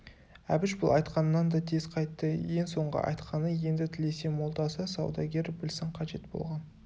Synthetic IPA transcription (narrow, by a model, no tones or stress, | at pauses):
æbɪʃbʊlˠɑjt̪qɑnːɑnd̪ɑt̪ʰezqʰɑjt̪ːəje̞ŋso̞ɴʁə̰ʔɑ̰jt̪qʰɑnəje̞nd̪ɪt̪ʰɪle̞se̞mo̞lˠd̪ɑsəsɑ̰wd̪ɑɡʲe̞ɾbɪlsɪɴqʰɑʒe̞t̪bo̰lˠʁɑn